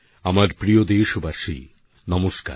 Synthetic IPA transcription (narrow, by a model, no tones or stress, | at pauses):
amaɾpɾijod̪eʃobaʃḭ | nɔmoʃka̰ɾ